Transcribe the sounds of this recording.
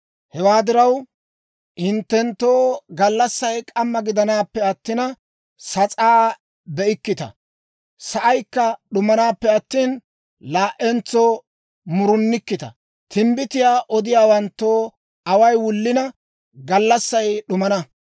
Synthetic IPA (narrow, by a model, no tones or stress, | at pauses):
hɛwaːd̪ɪɾɐw | ʔɪnt̪ːɛnt̪ːoːɡɐlːɐsːɐjkʼɐmːɐɡɪd̪ɐnaːpːɛɐt̪ːɪnɐ | sɐt͡sʼaː | bɛʔɪkːɪt̪ɐ̰ | sɐʔɐjkːɐɗʊmɐnaːpːɛɐt̪ːiːn | laːʔɛnt͡sːoː | mʊɾʊnːɪkːɪt̪ɐ̰ | t̪ʰɪmbɪt̪ɪjaːʔɔd̪ɪjaːwɐnt̪ːoː | ɐwɐjwʊlːɪnɐ | ɡɐlːɐsːɐjɗʊmɐnɐ